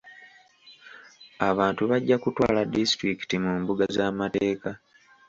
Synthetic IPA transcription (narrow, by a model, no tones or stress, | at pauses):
aβaːntuβaɟːakutwa̰ːladistɾiki̥timuːmbuɡazaːmate̞ːka